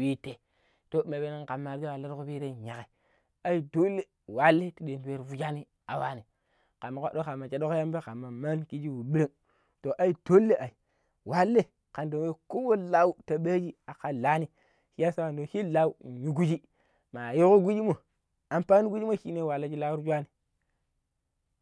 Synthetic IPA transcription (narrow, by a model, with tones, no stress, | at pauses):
wi˦te˨ | to˦me˨be˨˦ne˦nka˨mːa˨ɾd͡ʒo˦wa˨lːe˦ɾku˦bi˦ɾe˦˨ɲa˨ke˨ | a˦i˦do˦lːe˦ | wa˨˦lːe˦ti˨ɗe˨nte˦ɾvu˦d͡ʒa˦ni˦ | a˨wa˦ni˨ | ka˨mːa˨kʷa˦ɗo˦ka˨ma˨t͡ʃe˨˦ɗo˦kja˦mbe˦ka˨mːa˨ma˦nki˦d͡ʒi˦wu˨ɓi˦ɾe˦ŋ | to˨ʔa˦i˦d̥o˦lːe˦ʔa˨i˨ | wa˦lːe˦ | ka˨ndo˨we˦ko˦wo˦la˦u˦ta˨ɓe˦d͡ʒi˦a˨ka˨la˦ni˦ | hi˦ja˦sa˦ka˨ndo˨hi˦la˦u˦˨ɲu˦ɡu˦d͡ʒi˦ | ma˨jo˦ku˦ɡu˦d͡ʒi˦mo˨ | a˨mpa˦ni˦ɡu˦d͡ʒi˦mo˦ʃi˦ne˦˨wa˨lːe˦d͡ʒi˦la˦wu˦ɾd͡ʒʷa˦ni˨